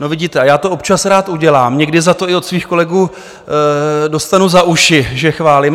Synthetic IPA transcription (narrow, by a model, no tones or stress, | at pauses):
novɪɟiːt̪ɛajaːt̪oopt͡ʃasɾaːt̪ʔuɟɛlaːmɲɛɡdɪzat̪o̞ɪot̪sviːxko̞lɛɡuː | do̞st̪anuzaʔuʃɪʒɛxvaːlɪm